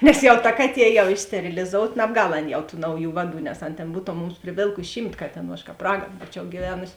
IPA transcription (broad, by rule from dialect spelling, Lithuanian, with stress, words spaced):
nʲɛs ˈjɛʊ tɐ ˈkɑːˌtʲiɛ jɛʊ ˈiː sʲtʲɛrʲɪlʲɪˈzoːʊt nɐbˈɡɐlˠ ˈɐn jɛʊ tuː ˈnɐʊˌjuː ˈʋɑːˌduː nʲɛs ɐn ˈtʲeːn ˈbuːtoːm ˈmʊms pʲrʲɪˈʋʲeːlˠkʊsʲɪ ˈʃʲiːmt ˈkɑːtʲeːˌnuː ɐʃ ˈkɑːp ˈrɑːɡɐn ˈbuːt͡ʃʲɛʊ ɡʲiːˈʋʲæːnʊsʲɪ